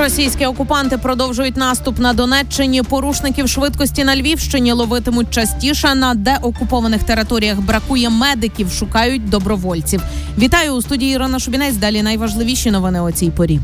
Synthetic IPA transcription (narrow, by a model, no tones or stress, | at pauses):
rɔsʲijsʲkʲiɔkʊpɑnt̪ɪpɾɔd̪ɔwʒʊjʊtʲnɑst̪ʊpnɐd̪ɔnɛt͡ʃːɪnʲipɔɾuʃnɪkʲiwʃʋɪd̪kɔsʲtʲinɐlʲʋʲiwʃt͡ʃɪnʲilˠɔʋɪt̪ɪmʊt̚ʲt͡ʃɐsʲtʲiʃɛnɐd̪ɛʔɔkʊpɔʋɐnɪxt̪eɾɪt̪ɔɾʲijɐɣbɾɐkujɛmɛd̪ɪkʲiwʃʊkɑjʊt̚ʲd̪ɔbɾɔʋɔlʲt͡sʲiwʋʲit̪ɑjʊːst̪udʲijiɾɔnɐʃʊbʲinɛt͡sʲd̪ɑlʲinɐjʋɐʒlˠɪʋʲiʃʲinɔʋɪnɪɔt͡sʲijpɔɾʲi